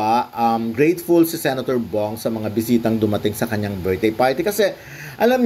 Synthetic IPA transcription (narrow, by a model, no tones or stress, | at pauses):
ʔɐmɡɹejt̪fulsɪsɛnɐt̪oɹboŋsɐmɐŋabɪsiːt̪ɐŋd̪ʊmɐt̪ɪŋsɐkɐɲːaŋbɛɹ̚d̪ejpaːɹt̪ikɐsɛ | ʔɐlamɲ